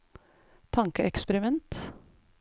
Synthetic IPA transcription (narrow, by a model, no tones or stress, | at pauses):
t̪ʰɑŋkəɛkspəɾɪmɛnt̪